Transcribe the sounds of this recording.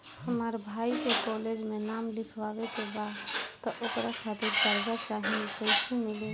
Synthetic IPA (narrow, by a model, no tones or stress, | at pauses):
həmaɾbʱaikekɔled͡ʒmenamlikʰʋabet̪obat̪ɔʔokɾakʰat̪ʰiɾd͡ʒəɾɡat͡ʃaɦinkəɪt͡ʃʰemile